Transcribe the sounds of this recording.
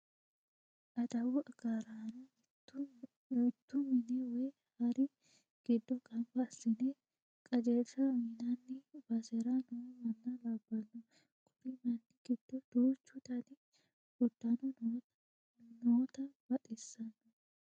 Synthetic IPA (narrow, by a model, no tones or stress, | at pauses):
ʔɐd̪ɐwɔʔɐɡaːɾanɐ | ut̪ːʊmɪnɛwɔj | hɐɾɪ | ɡ̥ɪd̪ːɔkʼɐmbɐːsːɪne | kʼɐd͡ʒesɐmɪnɐnːɪbɐsɛɾɐnɔwmɐnːɐlɐbːɐnːɔ | kʼʊɾɪmɐnd̪ɪɡ̥ɪd̪̥ːɔd̪̥oːt͡ʃːʊt̪ɐnɪ | ʊd̪̥ːɐnɔ | noːt̪ɐbɐt̪ʼɪsːɐnːɔ